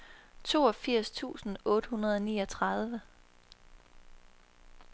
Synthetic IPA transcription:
t͡sʰo̝̰ːɒfiɐ̰st͡sʰṵːsn̩ɔ̽ːd̥əhunɐð̞̩ˠɒ̽niːɒ̽t͡sʰʁɑðˠʋə

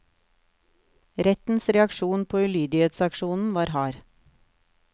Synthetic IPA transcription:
ɾɛt̪n̩sɾɛɑkʃuːnpʰoːʉlyːd̪ɪheːt̪sɑkʃuːnn̩ʋɑːɾhɑːɾ

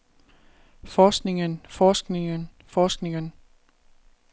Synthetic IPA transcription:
fɒːsɡ̥ne̝ŋənfɒːsɡ̥ne̝ŋən | fɒːsɡ̥ne̝ŋən

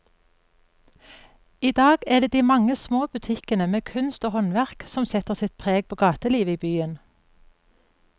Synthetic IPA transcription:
iːd̪ɑːɡæːd̪eːd̪iːmɑŋəsmoːbʉt̪ʰɪkənəmeːkʰʉnst̪oːhɔnʋæʁksɔmsɛt̪əʁsɪt̪̚pʰʁeːɡ̚pʰoːɡɑːt̪əliːʋəiːbyːən

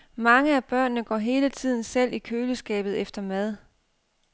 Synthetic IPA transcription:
mɑ̈ŋəæb̥ɶɐ̰nːəɡ̥ɒ̰ːɦe̝ːlət͡sʰið̞̰ˠn̩sel̰ʔikʰøːləsɡ̥ɛ̰ːb̥ð̞̩ˠefd̥ɐmæð̞ˠ

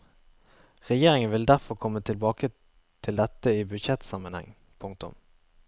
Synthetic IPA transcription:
ʁɛjeːʁɪŋənʋɪld̪æʁfɔʁkʰɔmːət̪ʰɪlbɑːkə | t̪ʰɪld̪ɛt̪əiːbʉd̪ʃɛt̪sɑmənhɛ̰ŋ | pʰʊŋk̚t̪ʊ̰m

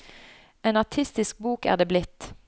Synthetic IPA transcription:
eːnɑt̪ʰɪst̪ɪsk̚buːkæ̰ːʁd̪eːblɪt̪

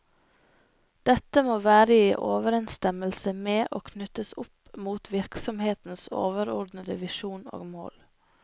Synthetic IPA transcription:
d̪̥ɛt̪əmoːʋæːɾəiːʔoːʋəɾɛnst̪ɛməlsəmeːʔoːkʰnʉt̪əsʊp | muːt̪ʰʋɪɾksɔmheːt̪n̩so̰ːʋəɾɔɖ̪nəd̪əʋɪʃuːno̰ːɡmo̰ːl

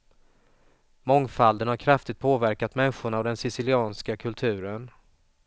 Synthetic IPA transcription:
mɔŋfald̪ənhaɾkʰɾaft̪ɪt̪̚pʰoːvæɾkat̪mɛnɧʊɳaːvd̪ɛnsɪsɪlɪɑːnskakʰɵlt̪ʰʉ̟ːɾən

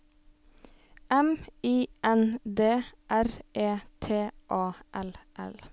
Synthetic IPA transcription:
ʔɛmiːʔɛnd̪eːʔæɾeːt̪ʰeːʔɑːʔɛlʔɛ̰l

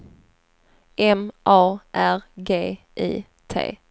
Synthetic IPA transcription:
ʔɛmʔɑːʔæɾɡeː | ʔḭː | t̪ʰḛː

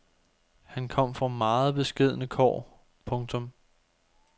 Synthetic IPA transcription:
hænkʰɒ̽m̰fʁɑ̈mɑ̈ːð̩ˠb̥e̝sɡ̥e̝ð̞̰ˠənəkʰɒ̰ː | pʰɔ̽ŋt͡sʰɔ̽m

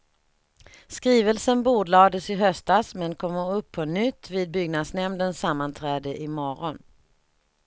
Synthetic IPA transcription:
skɾiːvəlsənbuːɖlɑːd̪əsɪɦœst̪asmɛnkʰɔmːəɵpʰːɔnʏt̪ːviːd̪̚bʏɡnad̪snɛmnd̪ənsamːant̪ʰɾɛːd̪əʔɪmɔɾɔn

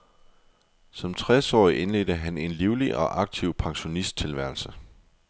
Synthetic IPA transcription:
sɒ̽mt͡sʰʁɛsɒ̰ːiʔe̝nle̝d̥əɦæne̝nliʊliʔɒ̽ʔɑ̈ɡ̥̚t͡sʰiʊ̰pʰɑ̈ŋɕo̝nisd̥̚t͡sʰe̝lʋæɐlsə

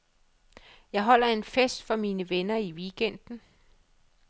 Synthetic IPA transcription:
jɑ̈ɪɦɒ̽l̰ɐe̝nfesd̥fɒ̽miːnəʋenɐiʋiːɡ̥en̰d̥n̩

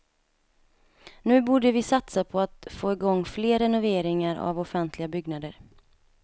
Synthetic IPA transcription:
nʉ̟ːbuːɖəvɪsat̪sapʰɔat̪foːɪɡɔŋːfleːɾɛnʊveːɾɪŋaɾa̰vɔfɛnt̪ʰlɪɡabʏɡnad̪əɾ

